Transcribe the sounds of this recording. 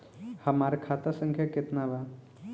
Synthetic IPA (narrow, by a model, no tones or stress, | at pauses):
həmaɾkʰat̪asə̃ŋkʰjaket̪naba